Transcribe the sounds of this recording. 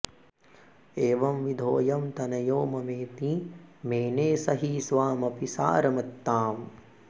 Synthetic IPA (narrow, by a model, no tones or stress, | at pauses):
eːʋɐmʋid̪ʱoːjɐmt̪ɐnɐjoːmɐmeːt̪imeːneːsɐɦisʋaːmɐpisa̰ːɾɐmɐt̪ːaːm